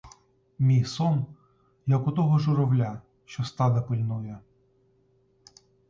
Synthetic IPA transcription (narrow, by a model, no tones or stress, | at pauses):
mʲijsɔn | jɐkʊt̪ɔɦɔʒʊɾɔwlʲa | ʃt͡ʃɔst̪ɑd̪ɐpɪlʲnɔjɛ